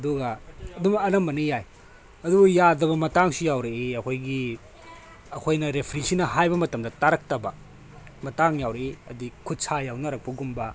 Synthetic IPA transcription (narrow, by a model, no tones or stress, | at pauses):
ɐduɡɐɐdumɐɐlɐmbɐnijaj | ɐdubujadɐβɐmɐtaŋsijawɾeeɐkʰojɡi | ɐkʰojnɐɾepʰɾisinɐɦajbɐmɐtɐmdɐtaɾɐk̚tɐbɐ | mɐtaŋjawɾeeɐdikʰut̚sajawnɐɾɐk̚pɐɡumbɐ